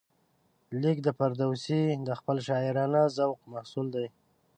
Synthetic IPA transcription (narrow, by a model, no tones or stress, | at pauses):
likd̪əpaɾd̪awsid̪əxpəlʃɑɪɾɑnazawqmahsuld̪aj